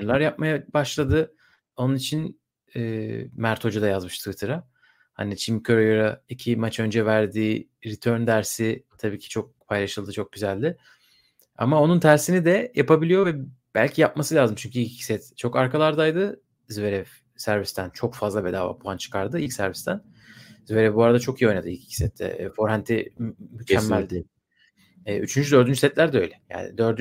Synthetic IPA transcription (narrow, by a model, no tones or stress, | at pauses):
ɾlˠaɾjap̚majabaʃlˠad̪ɯ | o̞nunit͡ʃʰin | ɛːmæɾt̪ʰo̞d͡ʒud̪ajazmɯʃt̪ʰɯvit̪ʰɯɾa | ha̰nit͡ʃʰimcʰøɾojoɾaicʰimat͡ʃʰø̞nd͡ʒɛvæɾd̪iː | ɾit̪ʰø̞ɾnd̪æɾsɪt̪ʰabiːcʰi̥t͡ʃʰo̞k̚pʰajlˠaʃɯlˠd̪ɯt͡ʃʰo̞k̚ɟyzælʲd̪ɪ | a̰mao̞nunt̪ʰæɾsinid̪ɛjapabilʲijo̞vɛ | b̥æ̰lʲcʰijap̚masɯlʲaːzɯmt͡ʃʰyɲcʰyilʲcʰi̥cʰi̥sɛt̪t͡ʃʰo̞kaɾkalˠaɾd̪ajd̪ɯ | zveɾɛv | sæɾvist̪ʰænt͡ʃʰo̞kfazlˠabɛd̪a̰ːva̰pʰuant͡ʃʰɯ̥kʰaɾd̪ɯilʲcsæɾvist̪ʰæn | ziveɾɛvbuaɾad̪at͡ʃʰo̞kijio̞jnad̪ɯilʲcʰi̥cʰi̥sɛt̪ʰːɛ̰ːfo̞ɾhænt̪ʰimycæmːælʲd̪ɛ | ɛːyt͡ʃʰynd͡ʒyd̪ø̞ɾd̪ynd͡ʒysɛt̪lʲæɾd̪ɛø̞jlʲɛja̰ːnɪ̰d̪ø̞ɾd̪y